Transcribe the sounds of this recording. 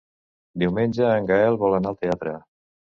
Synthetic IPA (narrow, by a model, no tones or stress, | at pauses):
d̪iwmenʲd͡ʒəːŋɡaɛlˠβɔlənalˠt̪eat̪ɾə